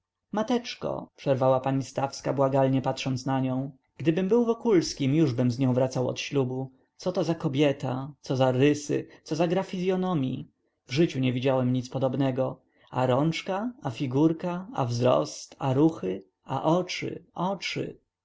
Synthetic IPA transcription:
mat̪ɛt͡ʂkɔ̰pʂɛɾvawapaɲist̪afska̰bwaɡalɲɛpat̪ʂɔnt̪snaɲɔ̃w̃ | ɡ̥d̪ɘbɘmbɘwvɔkulskʲimjuʐbɘmzɲɔ̃w̃vɾat̪sawɔ̰t̪ɕlubu | t̪sɔt̪ɔzakɔbʲjɛt̪at̪sɔzaɾɘsɘ̰t̪sɔzaɡɾafʲizʲjɔnɔmʲjḭ | vʐɘt͡ɕuɲɛvʲid͡ʑawɛmɲit̪spɔd̪ɔbnɛɡɔ | aɾɔnt͡ʂkaːfʲiɡuɾkaa̰vzɾɔ̰st̪aɾuxɘ | a̰ʔɔt͡ʂɘ̰ɔt͡ʂɘ̰

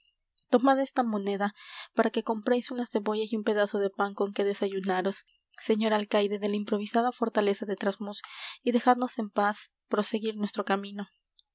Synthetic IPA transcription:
t̪o̞maðe̞st̪amo̞ne̞ðapaɾake̞ko̞mpɾejsunase̞βo̞ʝasiumpe̞ðaso̞ðe̞paŋko̞ŋke̞ðe̞saʝunaɾo̞sː | e̞ɲo̞ɾalkajðe̞ðe̞laimpɾo̞β̞isaðafo̞ɾt̪ale̞saðet̪ɾazmusiðe̞xaðno̞se̞mpas | pɾo̞se̞ɣiɾnwe̞st̪ɾo̞kamĩno̞

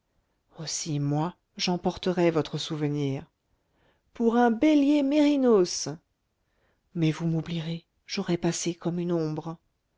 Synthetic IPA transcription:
osimwa | ʒɑ̃pɔʁt̪əʁɛvɔt̪χəsuvəniːʁ | puʁɛ̃beljemeʁinos | mɛvumubliʁe | ʒoʁɛpasekɔmynɔ̃bʁ

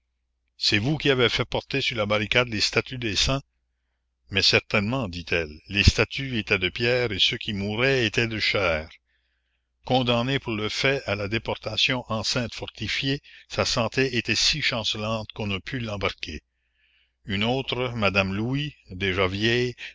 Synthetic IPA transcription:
sɛvukʲiavɛfɛpɔʁt̪esyʁlabaɾikad̪lest̪at̪yd̪eːsɛ̃ | mɛsɛʁt̪ɛnmɑ̃d̪it̪ʰɛlːest̪at̪ʰyet̪ɛd̪əpjɛːʁesøkʲʰimuːɾɛet̪ɛd̪əʃɛːʁ | kɔ̃d̪ãnepuʁləfɛalad̪epɔʁt̪asjɔ̃ʔɑ̃sɛ̃t̪fɔʁt̪ifjesasɑ̃t̪eet̪ɛsiʃɑ̃səlɑ̃ːt̪kɔ̃nəpʰylːɑ̃baʁkʰe | ynoːt̪ɾəmad̪amluid̪eʒavjɛj

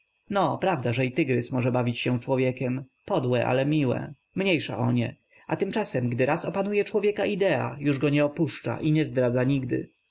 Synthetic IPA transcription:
nɔpɾavd̪aʐɛit̪ɘɡɾɘsmɔʐɛbavʲit͡ɕɕɛ̃t͡ʂwɔvʲjɛkʲɛm | pɔd̪wɛʔa̰lɛmʲiwɛ̰ | mɲejʂa̰ʔɔɲɛ̰ | at̪ɘmt͡ʂasɛmɡd̪ɘɾasɔpanujɛt͡ʂwɔvʲjɛkaʔid̪ɛa̰juʐɡɔɲɛɔpuʂt͡ʂa̰ʔiɲɛzd̪ɾad̪zaɲiɡd̪ɘ̰

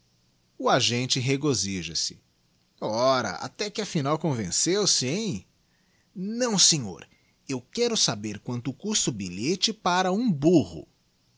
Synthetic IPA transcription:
ʊaʒẽnt͡ʃɪɦeɡoziʒɐsɪ̥ | ɔɾɐ̰ʔa̰t̪ɛkɪɐfinawkõvẽsewsɪẽj̃ | nɐ̃w̃sẽɲo̰ɾ | ewkɛɾʊsabeɾkwɐ̃nt̪ʊkust̪ʊbiʎet͡ʃɪpaɾɐũbuhʊ̰

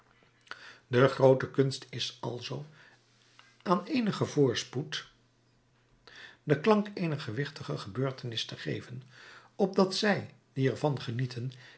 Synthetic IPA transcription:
dəχrowtəkɵnstɪsɑ̰lˠzow | aːnejnəχəvʊːɹsput | dəklɑŋkejnəχəʋɪχtəχəχəbøːɹtənɪstəχḛjvənɔb̚dɑtsɛjdiɛɹvɑnχənitʰən

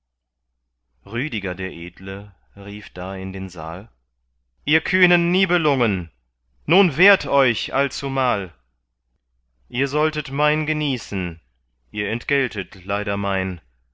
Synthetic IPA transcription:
ʁyːdɪɡɐdeːɐʔeːdlə | ʁiːfd̥aːɪndeːnza̰ːl | ʔiːɐkʰyːnənːiːbəlʊŋən | nuːnveːɐtʰɔʏçʔa̰lt͡sumaːl | ʔiːɐzɔltətmaɪnɡəniːsn̩ | ʔiːɐɛntɡ̥ɛltətlaɪɾɐmaɪn

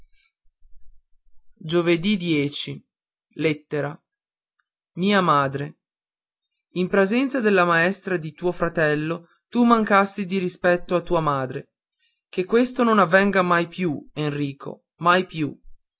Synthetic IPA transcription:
d͡ʒoved̪id̪jɛːt͡ʃi | let̪ːeɾa | miːamaːd̪ɾe | impɾezɛnt̪sad̪elːamaɛst̪ɾad̪it̪uːofɾat̪ɛlːo | t̪umaŋkast̪id̪iɾispɛt̪ːoat̪ːuːamaːd̪ɾe | kekːwest̪ononavːɛŋɡamajpjuenriːkʰo̰ | majpju

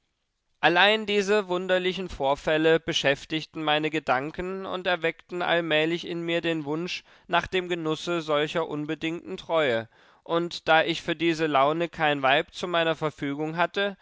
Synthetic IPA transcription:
ʔalaɪndiːzəvʊndɐlɪçn̩foːɐfɛləb̥əʃɛftɪçtn̩maɪnəɡədaŋkən̩ʊ̰ntɛɐvɛktn̩ʔa̰lmɛːlɪçɪnmiːɐdeːnvʊnʃ | naːχd̥eːmɡənʊsəzɔlçɐʔʊnbədɪŋtn̩tʁ̥ɔʏə | ʔʊntd̥aːʔɪçfyːɐdiːzəlaʊnəkʰaɪnvaɪp̚t͡sumaɪnɐfɛɐfyːɡʊŋɦatə

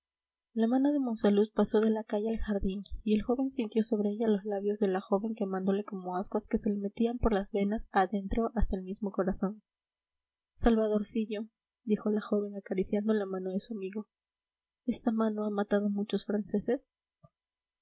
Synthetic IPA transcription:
lamãnoðe̞mo̞nsaluspaso̞ðe̞lakaʝealxaɾðinie̞lxo̞βe̞nsint̪jo̞so̞βɾe̞eʝalozlaβjo̞zðe̞laxo̞βe̞ŋke̞mãnd̪o̞le̞ko̞mo̞azɣwaske̞se̞leme̞t̪iampo̞ɾlazβe̞nasaðe̞nt̪ɾo̞ʔast̪aelmizmo̞ko̞ɾaso̞n | salβaðo̞ɾsiʝo̞ | d̪ixo̞laxo̞βe̞ŋakaɾisjand̪o̞lamãno̞ðe̞suamiɣo̞ | e̞st̪amãno̞amat̪að̞o̞mut͡ʃo̞sfɾanse̞se̞s

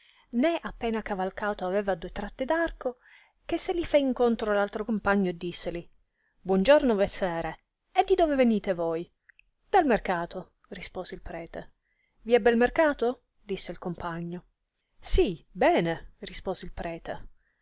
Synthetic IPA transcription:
nɛʔapːɛːnakavalkaːt̪oavɛːvad̪uet̪ɾat̪ːed̪arko | k̟esːelifɛiŋkont̪ɾolalt̪ɾokompaɲːod̪isːeli | bwɔnd͡ʒornovesɛːɾe | ed̪ːid̪oːveveniːt̪evoj | d̪̥almerkaːt̪o | rispoːzeilpɾɛːt̪e | viɛbːɛlmerkaːt̪o | d̪isːeilkompaɲːo | sibɛːnerispoːzeilpɾɛːt̪e

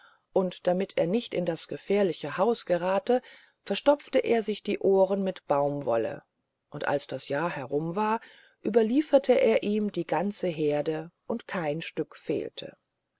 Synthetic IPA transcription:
ʔʊntd̥amɪtʰeːɐnɪçtɪ̰ndasɡ̥əfeːɐlɪçəhaʊsɡ̥əʁaːtə | fɛɐʃtɔp͡ftəʔeːɐzɪçd̥iːʔoːʁənmɪtb̥aʊmvɔ̰lə̰ | ʔʊntʔa̰lsd̥asjaːɐhɛʁʊmvaːɐ | ʔyːbɐliːfɐtʰəʔeːɐʔiːmdiːɡant͡səɦeːɐdəʔʊntkʰaɪnʃtʏkfḛːltʰə̰

